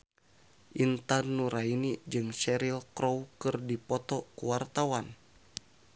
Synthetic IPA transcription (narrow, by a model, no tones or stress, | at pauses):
ʔint̪anːuɾainid͡ʒɨŋsɛɾilkɾowkɨrdipɔt̪ɔkuwart̪awan